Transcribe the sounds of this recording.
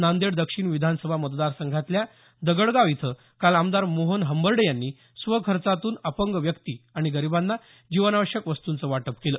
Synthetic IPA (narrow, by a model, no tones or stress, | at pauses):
nand̪eɽd̪əkʂiːɳʋid̪ʱansəbʱamət̪d̪aɾsəŋɡʱat̪lja | d̪əɡəɽɡaʋit̪ʰə | kalamd̪aɾmoɦənɦəmbəɾɖəjanːiː | sʋəkʰəɾt͡sat̪uːnəpəŋɡʋjəkt̪iaɽ̃iɡəɾibanːa | d͡ʑiʋənaʋəɕjəkʋəst̪unt͡səʋaʈəpkeləː